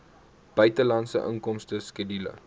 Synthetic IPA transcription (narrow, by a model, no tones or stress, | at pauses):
b̥œɥtəlɐnsə̰ʔə̰ŋkɔmstəskedilə̰